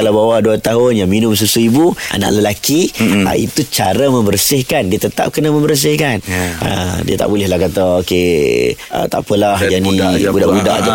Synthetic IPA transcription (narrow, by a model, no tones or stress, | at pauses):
alabawaduat̪aɦʊnjaŋminʊms̬usuibuʔa̰na̰ʔləlakia̰ḭt̪ut͡ʃaɾamə̃mbərsɪhkandiət̪ət̪a̰p̚kənamə̃mbərs̬ɪhkanə̰diət̪a̰ʔbulɪhlahkat̪aoke | ə̰t̪a̰ʔpəlahd͡ʒadibudaʔbudaʔd͡ʒa